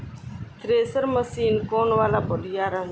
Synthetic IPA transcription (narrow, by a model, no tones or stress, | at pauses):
t̪ɾeːsəɾməsiːnkoːnʋaːlabɔlijaːɾa